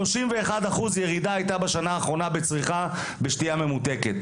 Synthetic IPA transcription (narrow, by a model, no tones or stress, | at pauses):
loʃimveːχad̪aχuzjeʁid̪aːjt̪abaʃanaːχʁo̞nabet͡sʁiχa | beʃtijame̞mut̪e̞ket̪